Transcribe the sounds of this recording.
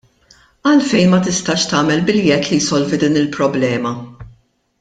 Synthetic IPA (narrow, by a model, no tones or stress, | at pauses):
ɐlfɛjnmɐt̪ɪst̪ɐʃt̪ɐːmɛlbɪljɛt̪lijsɔlvid̪iːnɪlpɾɔblɛːmɐ